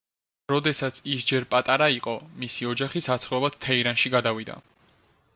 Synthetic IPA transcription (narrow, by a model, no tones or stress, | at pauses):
ɾɔd̪ɛsat̪sʰisd͡ʒɛɾpʼat̪ʼaɾaiqʼɔmisiɔd͡ʒaχisat̪sʰχɛlˠad̪̥̚t̪ʰɛiɾanʃiɡad̪avid̪a̰